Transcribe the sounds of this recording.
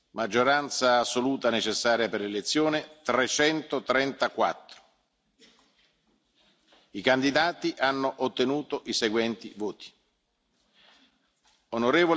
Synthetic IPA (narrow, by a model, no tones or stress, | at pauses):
mad͡ʒːoɾant̪saːsːoluːt̪anet͡ʃesːaːɾjaperlelet̪sːjoːnet̪ɾet͡ʃɛnt̪ot̪ɾɛnt̪akwa̰t̪ːɾo̥ | ikand̪id̪aːt̪iʔanːoʔot̪ːenuːt̪oʔiseɡwɛnt̪ḭvoːt̪i̥ | onoɾeːvol